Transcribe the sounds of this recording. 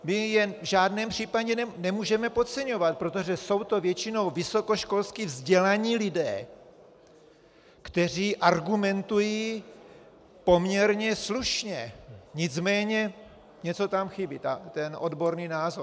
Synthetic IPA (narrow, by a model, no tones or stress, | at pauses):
mɪjɛnvʒaːdnɛːmpr̥iːpaɟɛnɛmuːʒɛmɛpo̞t̪t͡sɛɲo̞vat̪̚pɾo̞t̪o̞ʒɛso̞wt̪o̞vjɛt͡ʃɪno̞wvɪso̞koʃko̞lskivzɟɛlaɲiːlɪdɛː | kt̪ɛr̝iːʔaɾɡumɛnt̪ujiː | po̞mɲɛɾɲɛsluʃɲɛɲɪt͡smɛːɲɛ | ɲɛt͡so̞t̪amxɪbɪt̪at̪ɛnʔo̞dbo̞ɾniːnaːzoɾ